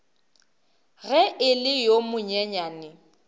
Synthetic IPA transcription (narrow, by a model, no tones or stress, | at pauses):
ɣɛʔɪlɪjomʊɲɛɲaːnɪ